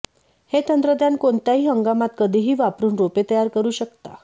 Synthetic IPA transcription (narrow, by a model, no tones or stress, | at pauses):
het̪ənd̪ɾəd̪ʱjankoɳt̪jaɦiːɦəŋɡamat̪kəd̪ʱiːɦiːʋapɾuːnɾopet̪əjaɾkəɾuːɕəkt̪a